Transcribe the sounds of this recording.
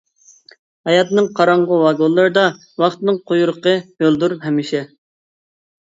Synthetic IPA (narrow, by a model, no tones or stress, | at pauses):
hɑjɑt̪ɨnɨŋqʰɑɾɑɴʁʊwɑɡolˠːɨɾɨd̪ɑ | wɑχt̪ɨnɨŋqʰojuɾəqəhølˠd̪uɾpɦɛmɪʃɛ